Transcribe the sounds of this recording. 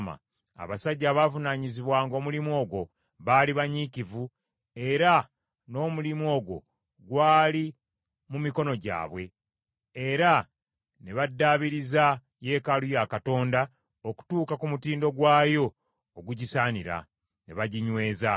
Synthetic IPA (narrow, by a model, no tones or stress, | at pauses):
ma̰ | a̰βasaɟːaːβaːvunaːɲiziβwaːŋɡo̞mulimo̞ːɡwo̞ | βaliβaɲicivu | e̞ɾa | no̞ːmulimo̞ːɡwo̞̰ | ɡwaːli | mumiko̞no̞ɟa̰ːβwe̞ | eɾa | ne̞βadːaːβiɾiza | je̞ːkalujakato̞ːnda | oku̥tuːkakumutiːndo̞ɡwaːjo̞ː | ɡuɟisaːniɾa̰ | ne̞̰βaɟiɲwe̞ːza